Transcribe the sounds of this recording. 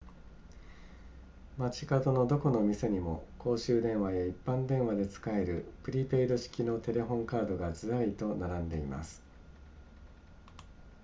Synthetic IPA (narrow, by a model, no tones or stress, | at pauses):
mat͡ɕi̥kat̪o̞no̞d̪o̞ko̞no̞mʲise̞ɲ̟imo̞ko̞ːɕɨːd̪ẽ̞ɰ̃βajaipːãnd̪ẽ̞ɰ̃βad̪e̞t͡sɨ̥kae̞ɾɯ̟pɯ̟ɾʲipe̞id̪o̞ɕi̥kʲino̞t̪e̞ɾe̞ɦõ̞ŋkaːd̪o̞ɡad͡zɨɾait̪o̞naɾãnd̪e̞ima̰sɨ̥